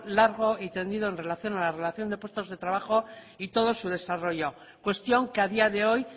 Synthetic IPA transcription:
laɾɣo̞it̪e̞nd̪iðo̞enre̞laθjo̞nalare̞laθjo̞nd̪e̞pwe̞st̪o̞zðe̞t̪ɾaβaχo̞ | it̪o̞ð̞o̞suð̞e̞saro̞ʝo̞ | kwe̞st̪jo̞ŋkeaðiaðe̞o̞j

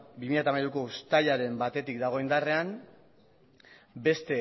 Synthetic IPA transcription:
bimiʎjat̪amajɾuko̞ust̪aʎaɾe̞mbat̪e̞t̪ikd̪aɣ̞o̞ind̪are̞am | be̞st̪e̞

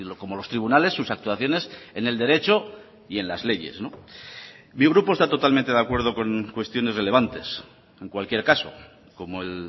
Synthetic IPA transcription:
loko̞mo̞lo̞st̪ɾiβ̞unale̞sːusak̚t̪uaθjo̞ne̞se̞ne̞ld̪e̞ɾe̞t͡ʃo̞ | ie̞nlazle̞ʝe̞̰sno | miɣ̞ɾupo̞est̪at̪o̞t̪almẽnt̪e̞ðakwe̞ɾð̞o̞ko̞ŋkwe̞st̪jo̞nere̞le̞βant̪e̞s | e̞ŋkwalkje̞ɾkaso̞̰ | ko̞moel

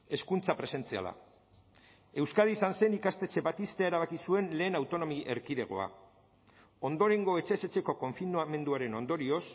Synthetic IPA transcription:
e̞skunt͡sapɾe̞se̞nt͡sia̰la̰ | e̞wskaðisanse̞nikast̪e̞t͡ʃe̞βat̪ist̪eaeɾaβ̞akisue̞nle̞ːnawt̪o̞no̞miʔe̞ɾkiðe̞ɣ̞o̞̰a̰ | o̞nd̪o̞ɾe̞ŋɡo̞e̞t͡ʃe̞se̞t͡ʃe̞ko̞ko̞ɱfinuame̞nd̪uaɾe̞no̞nd̪o̞ɾio̞s

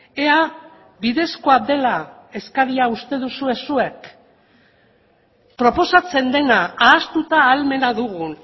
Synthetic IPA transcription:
e̞a | βiðe̞sko̞ad̪e̞la | e̞skaɾiaust̪e̞ð̞usue̞sue̞k | pɾo̞po̞sat͡se̞nd̪e̞naaːst̪ut̪aːlme̞naðuɣ̞un

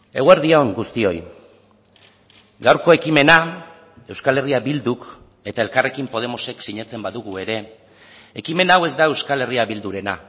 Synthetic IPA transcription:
e̞ɣwe̞ɾðioŋɡust̪io̞j | ɡawɾko̞e̞kime̞na | e̞wskale̞riabild̪uk | e̞t̪ae̞lkare̞kimpo̞ð̞e̞mo̞se̞ksiɲe̞t͡se̞mbaðuɣue̞ɾe̞ | e̞kime̞nawe̞zd̪ae̞wskale̞riaβild̪uɾe̞na

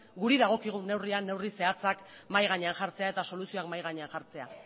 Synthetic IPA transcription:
ɡuɾiðaɣ̞o̞kiɣ̞une̞wrianːe̞wrise̞at͡sakmajɣaɲe̞anʝaɾt͡se̞ae̞t̪aso̞lusio̞akmajɣaɲe̞anʝaɾt͡se̞a̰

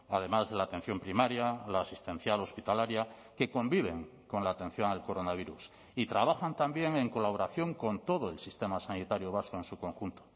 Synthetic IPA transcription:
að̞e̞mazðe̞laːt̪e̞n̟θjo̞mpɾimaɾjalaːsist̪ẽ̞n̟θjalo̞spit̪alaɾja | ke̞ko̞mbiβ̞e̞ŋ | ko̞nlaːt̪e̞n̟θjo̞ŋalko̞ɾo̞naβ̞iɾus | it̪ɾaβ̞axant̪ambje̞ŋeŋko̞laβoɾaθjo̞ŋko̞nt̪o̞ð̞oelsist̪e̞masanit̪aɾjoβ̞askoensuko̞ŋxunt̪o̥

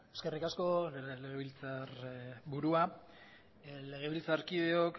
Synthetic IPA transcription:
e̞ske̞rikasko̞le̞ɣeβilt͡sarbuɾua | le̞ɣ̞e̞βilt͡saɾkiðe̞ok

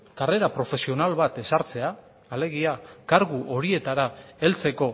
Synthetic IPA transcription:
kare̞ɾapɾo̞fe̞sio̞nalβat̪e̞saɾt͡se̞aː | le̞ɣ̞iakaɾɣuʔo̞ɾie̞t̪aɾae̞lt͡se̞ko̞

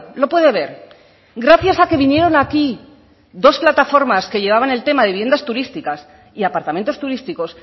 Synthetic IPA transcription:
lo̞pwe̞ðe̞β̞e̞ɾ | ɡɾaθjasake̞βinje̞ɾo̞naki | ðo̞splat̪afo̞ɾmaskeʝe̞β̞aβane̞lt̪e̞maðe̞βije̞nd̪ast̪uɾist̪ikas | iapaɾt̪ament̪o̞st̪uɾist̪iko̞s

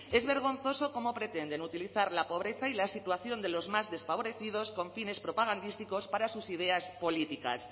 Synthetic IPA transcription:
e̞zβe̞ɾɣ̞o̞nθo̞so̞ko̞mo̞pɾe̞t̪e̞nd̪e̞nut̪iliθaɾlapo̞β̞ɾe̞θailasit̪uaθjo̞nd̪e̞lo̞zmazðe̞sfaβ̞oɾe̞θiðo̞sko̞ɱfine̞spɾo̞paɣ̞and̪ist̪iko̞spaɾasusið̞e̞aspo̞lit̪ika̰s

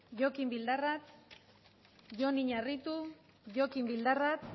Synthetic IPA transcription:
ʝokimbild̪arat̪ | ʝo̞niɲarit̪u | ʝo̞kimbild̪arat̪

